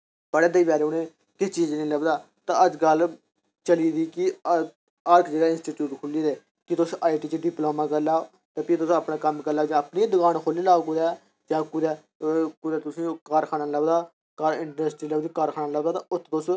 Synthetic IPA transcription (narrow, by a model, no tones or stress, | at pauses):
bəɽeːd̪əiːbaːɾʊnẽː | kɪst͡ʃiːd͡ʒnĩːləɡd̪aː | t̪ãːəd͡ʒɡəl | t͡ʃəliːd̪iːkɪ | aːɾkd͡ʒəɡaːɪ̃nsʈiːʈjuːʈkʰʊlːiːd̪eː | kɪt̪ʊsaːiʈiːt͡ʃeɖɪploːmãːkəɾlaːo | t̪aːpit̪ʊsapnãːkəmkəɾlaːd͡ʒãːəpnĩːd̪ʊkaːnkʰoliːlaːkud̪aː | d͡ʒãːkʊd̪ɛ | kʊd̪ɛːt̪ʊsĩːkaːɾkʰaːnãːləɡd̪aː | kaːɾɪɳɖɾəsʈɾiːləɡd̪ĩːkaːɾkʰaːnaːləɡd̪aːt̪ãʊt̪ʰt̪ʊs